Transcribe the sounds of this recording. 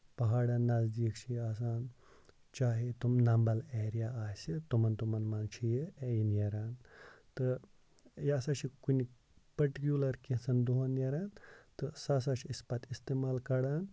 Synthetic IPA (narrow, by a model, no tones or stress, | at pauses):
pɐɦaːɽaːnːɐzd̪iːkt͡ʃʰiaːs̬aːn | t͡ʃaːɦet̪umnɐmbɐleːɾijaːaːjsit̪umɐnt̪umɐnmant͡ʃʰijejinjeɾaːnt̪ɨ | jaːsaːt͡ʃʰikuni | pɐɾʈikʲjulɐɾkesɐnd̪uɦɐnjɐɾaːnt̪ɨsaːs̬at͡ʃʰiispɐt̪ʰist̪eːmaːlkɐɽaːn